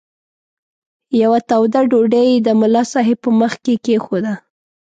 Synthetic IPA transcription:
jawat̪awd̪aɖoɖəjd̪əmʊlɑsɑɦepəməxkekexod̪a

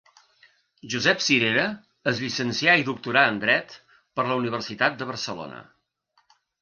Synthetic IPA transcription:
ʒuzɛpsiɾeɾəː | zʎisənsiaiðuk̚t̪uɾaənd̪ɾɛt̪ | pəɾləuniβ̞əɾsit̪at̪̚d̪əβ̞əɾsəlo̰nə̰

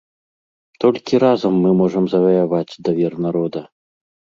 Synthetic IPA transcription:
t̪ɔlʲkʲiɾazɐmːɨmɔʐɐmzɐvɐjavat͡sʲd̪ɐvʲɛrnaɾɔd̪ɐ

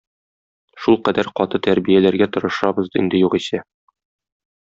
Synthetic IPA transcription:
ʃulˠqæd̪æɾqɒt̪ɤt̪æɾbijælæɾɡæt̪ŏɾɤ̆ʃɑbɤ̆zd̪ɤḭnd̪ɘ̆juʁisæ

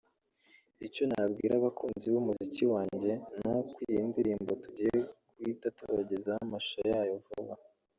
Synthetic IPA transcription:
ico̞nabɡḭːɾaβakʰuːnziβumuziciwaːɲɟe̞nokwijindiɾiːmbo̞tuɟijekwitatuɾaɟezahamaʃojaːjovuβa

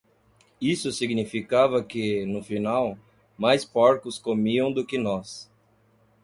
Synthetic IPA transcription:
isʊsiɡnifikavɐkɪnʊfinaw | majspɔɾkʊskomiɐ̃w̃d̪ʊkɪnɔs

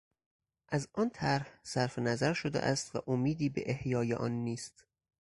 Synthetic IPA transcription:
ʔæzɒnt̪ʰæɾhsæɾfenæzæɾʃod̪ḛʔæ̰st̪væ̰ʔomiːd̪iːbḛʔehjɒːjḛʔɒ̰ːnːiːst̪

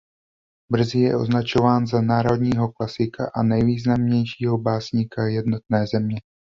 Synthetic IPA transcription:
br̩zɪjɛ̰ʔo̞̰znat͡ʃo̞vaːnzanaːɾo̞d̪ɲiːɦo̞klasɪka̰ʔanɛjviːznamɲɛjʃiːɦo̞baːsɲikajɛdno̞t̪̚nɛːzɛmɲɛ

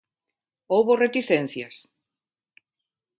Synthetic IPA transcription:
owβoret̪iθen̟θjas

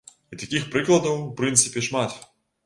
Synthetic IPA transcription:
it̪akʲixpɾɨklˠɐd̪ɐwpɾɨnt̪sɨpʲɛʂmat̪

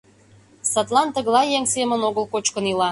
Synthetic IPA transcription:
sɑt̪lˠɑnt̪ə̆ɣlˠɑjeŋsemə̆noɣəlˠkot͡ɕkənilɑ

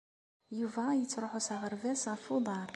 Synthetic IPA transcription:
juvæjət͡sːɾˤoħusaʁəɾvæsʁəfud̪ˤɑɾˤ

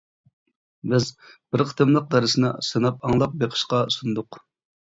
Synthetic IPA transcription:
bɪzbɪɾqʰə̥t̪ʰɨmlˠəq̚d̪ɑɾɨsɨnɨsɨnɑp̚ɑŋlˠɑp̚beqʰə̥ʃqɑusund̪ʊq

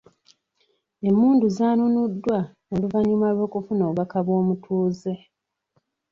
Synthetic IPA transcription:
e̞mːuːnduzaːnunudːwanoluvaɲumalwo̞ːkufunoːβakaβo̞ːmutʰuːze̞

